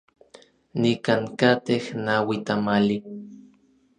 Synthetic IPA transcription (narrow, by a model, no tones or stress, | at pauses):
nikaŋkat̪ehnawit̪amali